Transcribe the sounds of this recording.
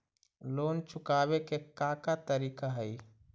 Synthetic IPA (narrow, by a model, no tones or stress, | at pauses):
lont͡ʃʰʊkabekekakat̪əɾiːkaɦəj